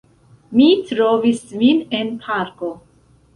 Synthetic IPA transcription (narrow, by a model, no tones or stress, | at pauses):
mitɾovisminenpʰaɾko